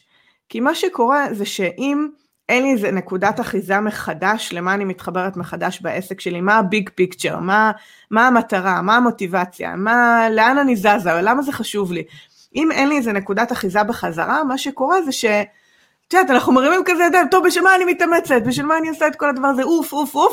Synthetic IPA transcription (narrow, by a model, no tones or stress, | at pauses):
kimaʃeko̞ʁe̞zeʃe̞ʔim | enliezene̞kudataχizame̞χadaʃle̞maːnimit̪χabe̞ʁetme̞χadaʃbaʔe̞sekʃe̞limaːbiɡpikt͡ʃe̞̰ʁma | maːmataʁamaːmo̞tivat͡sja̰male̞ananizazavalamaze̞χaʃuvli | ʔimenliezene̞kudataχizabeχaza̰ʁamaʃeko̞ʁe̞zeʃe̞ | t̪ud̪at̪̬anaχnumeʁimimkazejod̪aimt̪ovbiʃelmaːnimit̪ame̞t͡set̚biʃ̬ilmaːniasaet̪ko̞ladavaʁazeufufuf